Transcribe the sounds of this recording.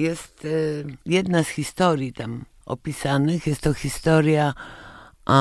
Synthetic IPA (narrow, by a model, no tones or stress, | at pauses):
jɛst̪jɛd̪nasxʲist̪ɔɾʲjit̪am | ɔ̰pʲisanɨxjɛst̪ːɔxʲist̪ɔɾʲja